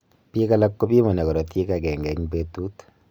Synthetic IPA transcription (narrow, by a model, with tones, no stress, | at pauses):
pi˦ka˦la˦kːo˦pi˦mɔ˨nɛ˨kɔ˨ɾɔ˨tje˦ka˨kɛ˨ŋɡɛ˨ɲpe˦tu˦t